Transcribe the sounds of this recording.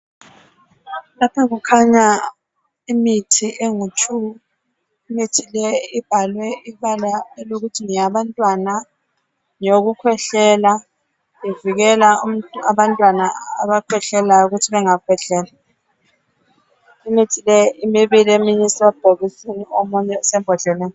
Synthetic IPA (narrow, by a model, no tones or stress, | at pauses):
lapʰaɣukʰaɲa | imitʰiʔeŋut͡ʃʰu | imitʰilɛib̥ʱalwɛiβalaɛloɣutʰiŋijaβantʼwana | ɲoɣukʰwɛɬɛla | iviɣɛlaum̩taβantʼwanaːβakʰwɛɬɛlajɔuɣutʰiβɛŋakʰwɛɬɛːla | imitʰilɛimiβileministʼrab̥ʱoβisiniomuɲɛsɛmbʱɔɮɛlɛːnɔ